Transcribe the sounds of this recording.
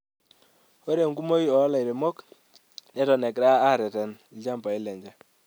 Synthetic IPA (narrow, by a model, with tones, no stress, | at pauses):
wo˦ɾe˨ŋɡu˦mo˦ji˦ɔ˨˦la˨i˨ɾe˨mɔ˦k | nɛ˦tɔ˨nɛ˨kɾa˦a˦˨ɾɛ˨tɛ˨n˨˦a˦mba˨i˦lɛ˨ɲd͡ʒa˦